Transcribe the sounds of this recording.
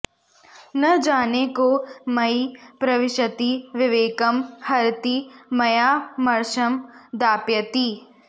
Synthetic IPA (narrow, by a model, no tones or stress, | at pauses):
nɐd͡ʒaːnekomɐipɾɐʋɪʃət̪iʋɪʋeːkəmhɐɾt̪imɐjaːmɐɾʃɐmd̪aːpjɐt̪iː